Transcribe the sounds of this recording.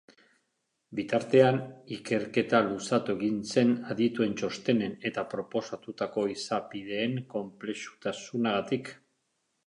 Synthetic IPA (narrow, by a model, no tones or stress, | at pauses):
bit̪aɾt̪e̞anike̞ɾke̞t̪alusat̪ue̞ɣinse̞naðit̪ue̞nt͡ʃo̞st̪e̞ne̞ne̞t̪apɾo̞po̞sat̪ut̪ako̞isapið̞e̞ːŋko̞mple̞ʃu̥t̪asunaɣat̪ik